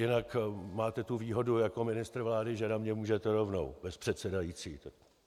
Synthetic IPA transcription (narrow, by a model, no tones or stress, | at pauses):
jɪnakmaːt̪ɛt̪uviːɦo̞dujako̞mɪnɪst̪ɾr̩vlaːdɪʒɛnamɲɛmuːʒɛt̪ɛɾo̞vno̰wb̥ɛspr̝̥ɛt̪sɛdajiːt͡siːt̪ak̚